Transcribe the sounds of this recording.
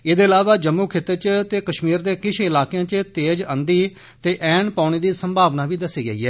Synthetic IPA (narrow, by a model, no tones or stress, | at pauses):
eːd̪eːəlaːʋaːd͡ʒəmːuːkʰɪt̪ːət͡ʃt̪eːkəʃmiːɾd̪eːkɪʃʰɪlaːkejãːt͡ʃət̪eːd͡ʒə̃nd̪iː | t̪eːʔɛːnpaːʊñeːd̪iːsəmbʱaːʋnaːʋiːd̪əsiːɡə̰iːɦɛː